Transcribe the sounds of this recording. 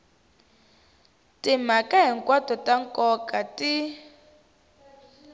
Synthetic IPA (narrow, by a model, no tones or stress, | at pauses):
tim̤akaɦiŋkwatɔtaŋkɔkati